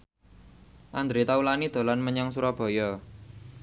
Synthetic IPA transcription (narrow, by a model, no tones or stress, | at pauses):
ʔand̪ɾit̪aulanid̪̥o̤lanməɲɔŋsuɾɔb̥ɔ̤jɔ